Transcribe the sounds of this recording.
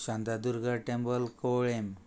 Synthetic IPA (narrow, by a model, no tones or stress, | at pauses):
ɕãnd̪ad̪uɾɡəɾʈembəlkowɭem